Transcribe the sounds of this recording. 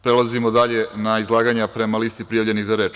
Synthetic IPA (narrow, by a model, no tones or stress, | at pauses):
pɾelˠazimod̪aʎe̞naizlˠaːɡaɲapɾe̞malist̪ipɾijaʋʎe̞niɣzaɾe̞ːt͡ʃ